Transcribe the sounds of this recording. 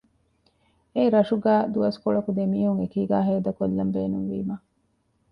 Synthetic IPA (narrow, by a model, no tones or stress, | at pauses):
eiɾɐʃuɡæːd̪uɐskoɭɐkud̪emiːɦuŋekiːɡaːɦeːd̪ɐkolːɐmbeːnuŋʋḭːmɐ